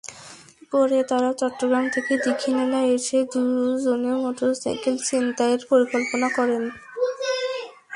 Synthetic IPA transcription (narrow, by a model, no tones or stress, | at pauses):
koɾet̪aɾat͡ɕɔʈːoɡɾamt̪ʰeked̪ikʰːinelaeʃed̪ud͡ʑoneomɔt̪osajkelt͡ɕint̪aeɾpoɾikolponakɔɾen